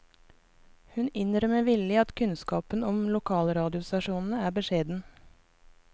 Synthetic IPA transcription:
hʉnɪnɾœməʋɪləɑt̪kʰʉnskɑːpənɔmlʊkʰɑːlɾɑːd̪ɪʊst̪ɑʃuːnn̩əæːbəʃeːd̪n̩

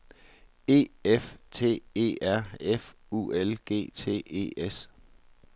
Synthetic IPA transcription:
e̝̰ːeft͡sʰe̝̰ːe̝̰ːæɐ̰ef | ṵelɡ̥e̝̰ːt͡sʰe̝̰ːe̝̰ːes

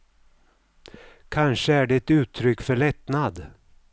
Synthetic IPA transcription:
kʰanʂəæɖɛɛt̪ʉ̟ːt̪ʰːɾʏkːfœɭɛt̪nad̪

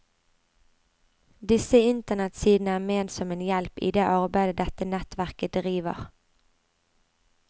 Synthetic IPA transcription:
d̪ɪsəɪnt̪ənɛt̪siːd̪n̩əæːmeːnsɔmeːnjɛlpḭːd̪eːʔɑʁbæɪd̪əd̪ɛt̪ənɛt̪ʋæʁkəd̪ʁiːʋə̰ʁ

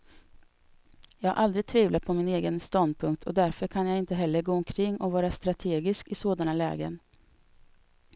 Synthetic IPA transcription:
jɑːɡhaʔald̪ɾɪɡ̚t̪ʰviːvlat̪̚pʰɔmɪneːɡənst̪ɔnd̪̚pʰɵŋk̚t̪ʰɔ̰d̪æɾfœɾkʰanjaɪnt̪əɦɛlːəɾɡoːɔmkʰɾɪŋːɔvɑːɾast̪ɾat̪ʰeːɡɪskɪsoːd̪analɛ̰ːɡə̰n

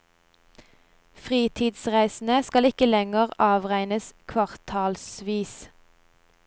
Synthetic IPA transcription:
fʁiːt̪ʰiːd̪sʁæɪsn̩əskɑlɪkəlɛŋəʁɑːʋʁæɪnəskʰʋɑʁt̪ʰɑːlsʋiːs

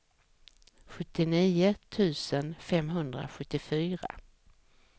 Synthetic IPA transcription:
ɧɵt̪ːɪniːʊt̪ʰʉ̟ːsənfɛmɦɵnd̪ɾa̰ɧɵt̪ːɪfyːɾa̰

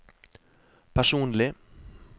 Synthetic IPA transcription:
pʰæʂuːnlɪ

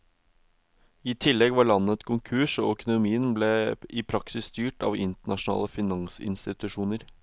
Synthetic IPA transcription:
iːt̪ʰɪlːɛɡʋɑɭɑnːət̪kʰʊŋkʰʉːʂɔːœkʊnʊmiːənbleːɪpʰɾɑksɪst̪yːʈɑ̰ːʋɪnt̪əɳɑʂʊnɑ̰ːləfɪnɑŋsɪ̰nst̪ɪt̪ʉʂuːnəɾ

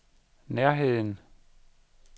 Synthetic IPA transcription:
neɐ̰ɦe̝ð̰ˠn̩

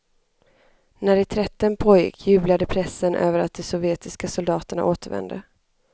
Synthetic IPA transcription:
næɾɪt̪ʰɾɛt̪ːənpʰoːjɪ̰kʰːjʉ̟ːblad̪əpʰɾɛsːənʔø̰ːvəɾat̪̚d̪ɛsɔvjeːt̪ɪskasʊld̪ɑːt̪əɳa̰ʔoːt̪əɾvɛ̰nd̪ə

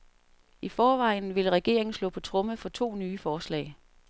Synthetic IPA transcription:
ifɒːʋɑ̈ɪ̰n̩ʋe̝lʁɛɡ̥e̝̰ɐeŋn̩slɔ̰̽ːpʰɒ̽t͡sʰʁɔ̽məfɒ̽t͡sʰo̝̰ːnyːfɒːslɛ̰ɪ

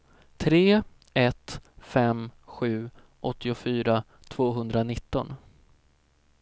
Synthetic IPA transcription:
t̪ʰɾeː | ɛt̪fɛmɧʉ̟ː | ʔɔt̪ːɪʊfyːɾa | t̪ʰv̥oːɦɵnd̪ɾanɪt̪ːɔ̰n

